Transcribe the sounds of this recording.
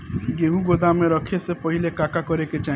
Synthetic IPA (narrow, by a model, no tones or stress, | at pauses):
ɡeɦũɡod̪amẽɾɔkʰesepɔɦilekakakɔɾeket͡ʃa